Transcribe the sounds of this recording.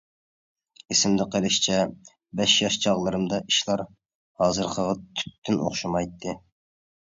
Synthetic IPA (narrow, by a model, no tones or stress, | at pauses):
esɪmd̪ɪqʰelˠɪʃt͡ʃʰɛ | bɛʃjɑʃt͡ʃʰɑʁlˠɨɾɨmd̪ɑʔiʃlˠɑɾ | hɑːzɨɾqʰəʁɑt̪ʰy̥p̚t̪ʰːynʔo̰χʃɑmɑjt̪ʰːɨ